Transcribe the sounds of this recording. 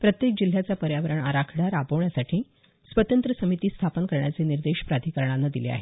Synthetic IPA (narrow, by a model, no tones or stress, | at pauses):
pɾət̪jek̚d͡ʑil̤ːjat͡sapəɾjaʋəɾəɳaɾakʰɽaɾapəʋɳjasaʈʰiː | sʋət̪ənt̪ɾəsəmit̪iːst̪ʰapənkəɾɳjat͡seniɾd̪eɕpɾad̪ʱikəɾɳ̃anːad̪ilḛa̰ɦe